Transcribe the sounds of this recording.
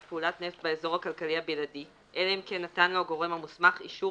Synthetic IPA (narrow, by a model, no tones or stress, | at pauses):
peulatnefbaezo̞ʁhakalkalihabiladi | ʔeleemkenːatanloaɡo̞ʁe̞mhamusmaχḭʃu